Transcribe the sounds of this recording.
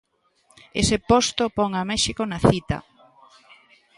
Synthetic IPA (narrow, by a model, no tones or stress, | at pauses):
ḛsɪpost̪opɔŋamɛʃikonaθit̪ɐ̰